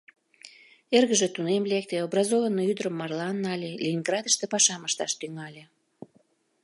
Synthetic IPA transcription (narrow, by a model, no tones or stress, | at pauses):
erɣəʒĕt̪unemlek̚t̪eobrɑzovənːoyd̪əɾəmːɑrlɑnːɑlʲelʲiːnɡrɑd̪əʃt̪epɑʃɑməʃt̪ɑʃt̪yŋɑlʲe